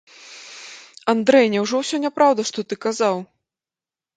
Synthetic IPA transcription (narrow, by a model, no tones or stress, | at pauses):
and̪ɾɛjnʲɛwʐɔwsʲɔnʲapɾawd̪ɐʂt̪ɔt̪ɨkazaw